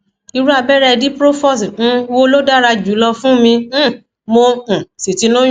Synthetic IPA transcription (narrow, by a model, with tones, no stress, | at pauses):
i˧ɾu˦a˧bɛ˦ɾɛ˧di˦pɾo˦fɔ˦s̩˨˦wo˦lo˦da˦ɾa˧d͡ʒu˨˦lɔ˧fũ˦mĩ˧˦˨ | mõ˧˨si˨ti˨˧˦nũ˦